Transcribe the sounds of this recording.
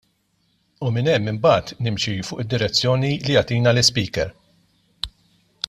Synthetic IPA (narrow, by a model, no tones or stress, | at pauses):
umɪnɛmːɪmbɐːt̪nɪmʃifʊːʔɪd̪ːɪɾɛt͡sːjɔːnilijɐt̪iːnɐlɪspiːkɛɾ